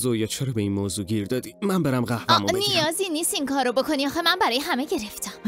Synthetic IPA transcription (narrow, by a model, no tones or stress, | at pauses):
zojɒːt͡ʃʰeɾɒːbeiːnmoːzuːɟiɾd̪ɒːd̪imænbeɾæmɢæhvæmunijɒːziniːst̪iŋkʰɒːɾobo̞kʰo̞niɒːxemænbæɾɒːjeɦæmeɟe̞ɾeft̪ʰæm